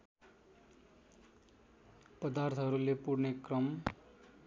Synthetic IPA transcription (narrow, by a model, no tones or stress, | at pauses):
pʌd̪art̪ʰɦʌɾulepuɽnekrʌm